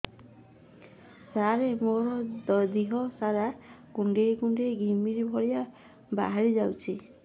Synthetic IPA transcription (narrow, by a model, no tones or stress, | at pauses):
saɾemoɾɔd̪ɔd̪iɦɔsaɾakuɳɖekuɳɖeɡʱimiɾibʱɔɽija | ba̰ɦaɾid͡ʒawt͡ʃʰi